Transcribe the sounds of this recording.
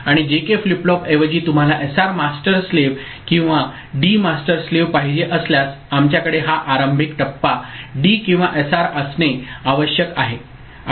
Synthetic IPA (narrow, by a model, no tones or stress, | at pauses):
aɽ̃id͡ʑekefliplɔpeʋəd͡ʑiːt̪um̤alaʔesaɾmasʈəɾsleʋ | kĩw̃ʋa | ɖimasʈəɾsleʋpaɦid͡ʑeʔəsljas | amt͡ɕjakəɽeɦaʔaɾəmbʱikʈəpːaɖikĩw̃ʋaʔesaɾəsneaʋəɕjəkaɦe